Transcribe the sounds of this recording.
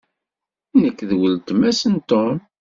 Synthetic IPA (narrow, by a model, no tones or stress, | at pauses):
nəkːðwəlt̪əmæsənt̪ɔm